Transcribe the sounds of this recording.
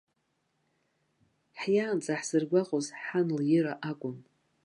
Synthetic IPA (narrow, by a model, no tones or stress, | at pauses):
ħjaːnt͡sʼaħsɨrɡʷaqʼozħanljɪɾaʔakʷʼʊn